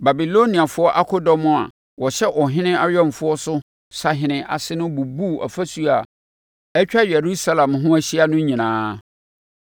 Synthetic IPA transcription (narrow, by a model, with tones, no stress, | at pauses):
ba˨bi˨lo˦nĩ˨a˨fʊ˦ɔ˦ʔa˦kʰɔ˦dɔ˦mʊ̃˦˨a̰˨ | wɔ˨ɕɛ˦ʔɔ˨ɦɪ̃˦nɪ̃˦a˦ɾɔ̃˦˨m˨fʊ˦ɔ˦sʊ˦ | sa˨ɦɪ̃˨nɪ̃˨ʔa̰˨sɪ˦nʊ̃˦bu˨bu˦˨ʔa̰˨fa˦su˦a˨ | ɛ˦t͡ɕᶣa˦jɛ˨ɾu˦sa˦lã˨mɦʊ̃˦æ˦ɕi˦a˦nʊ̃˦ɲĩ˨nãː˨˦